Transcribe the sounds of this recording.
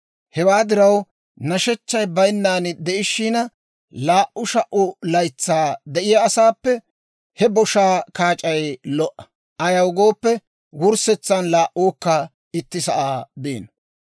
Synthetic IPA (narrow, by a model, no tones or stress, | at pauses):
hɛwaːd̪ɪɾɐw | nɐʃɛt͡ʃːɐjbɐjnːaːnd̪ɛʔɪʃiːnɐ | laːʔʊʃɐʔʊlɐjt͡sːaːd̪ɛʔɪjɐːsaːpːɛ | hɛbɔʃaːkaːt͡ʃʼɐjlɔʔɐ̥ | ʔɐjɐwʊɡo̞ːpːɛ | wʊɾsɛt͡sːɐnlaːʔoːkːɐ | ɪt̪ːɪsɐʔaːbeːn